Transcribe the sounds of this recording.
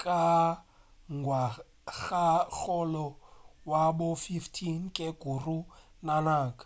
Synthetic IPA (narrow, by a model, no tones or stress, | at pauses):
kʼa | ŋɡʱwa | ɣak͡xɔlɔwabʊfiftʰiŋ̩kʼeɡ̥urunanaːkʼḁ